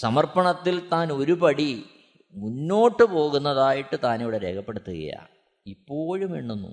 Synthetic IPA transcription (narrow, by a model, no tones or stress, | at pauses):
sɐmɐrpɐɳɐt̪ːilt̪aːno̞ɾupɐɽi | munːo̞ːʈːɨpo̞ːɣunːɐðaːjiʈːɨt̪aːniʋiɽeɾe̞ːkʰɐpːe̞ɽut̪ːuɣɐ̰ja̰ː | ipːo̞ːɻumʋḭɳːonːṵ